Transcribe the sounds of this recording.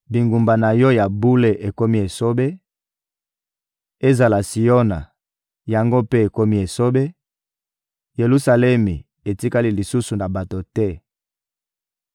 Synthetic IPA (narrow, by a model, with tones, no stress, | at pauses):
bi˨ŋɡu˨mba˨na˨jɔ˦ja˨bu˦le˨ʔe˨ko˦mi˦e˨so˦be˦ | e˦za˨la˨si˨jo˦na˨ | ja˨ŋɡo˦pe˦e˨ko˦mi˦e˨so˦be˦ | je˨lu˦sa˨lɛ˦mi˨ | e˨ti˦ka˦li˦li˨su˦su˨na˨ba˨to˨tɛ˦